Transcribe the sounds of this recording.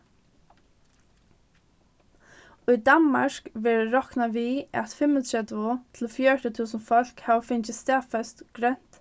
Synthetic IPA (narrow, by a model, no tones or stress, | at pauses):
ʊjd̪anma̰ɹkʋɛːɹɾɔhknaʋiæ̰t̪fɪmət͡ʃɛt̪ʊt̪ʰɪlfjœːɾət̪ʰuːsənfɔl̥khavfɪnt͡ʃɪst̪ɛːfɛst̪ɡ̥ɾɛn̥t̪